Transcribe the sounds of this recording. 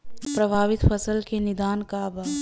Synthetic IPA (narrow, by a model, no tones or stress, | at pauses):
pɾɐbʱaːʋɪt̪fʰəsəlkenɪd̪aːnkabaː